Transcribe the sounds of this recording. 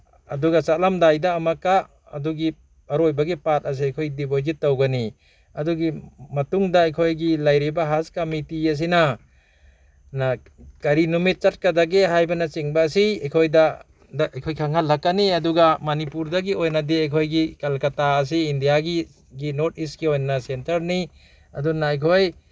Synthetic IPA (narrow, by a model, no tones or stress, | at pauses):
ɐduɡat͡ʃat̚lamdajdaːmaka | ɐ̰duɡi | ɐɾojbɐɡipat̚ɐs̬iɐjkʰojdibojd͡ʒit̚ːawɡɐni | ɐduɡimɐtuŋdaɐjkʰojɡilajɾibaɦaskamitiɐs̬ina | na | kɐɾinumit̚t͡ʃɐt̚kɐdaɡeɦajbɐnɐt͡ʃiŋbaːsiɐjkʰojda | daʔɐjkʰojkʰaŋhalːakːɐniɐduɡamɐnipuɾdɐɡiojnɐdiajkʰojɡikɐlkɐtaɐs̬iindijaɡi | ɡinoɾt̚istkiojnnɐsentɐɾni | ɐdunaɐjkʰoj